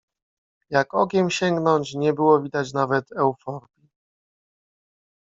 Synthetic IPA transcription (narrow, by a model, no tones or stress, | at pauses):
jakɔkʲɛmɕɛŋɡnɔɲt͡ɕɲɛbɘwɔvʲid̪at͡ɕnavɛt̪ɛwfɔɾbʲi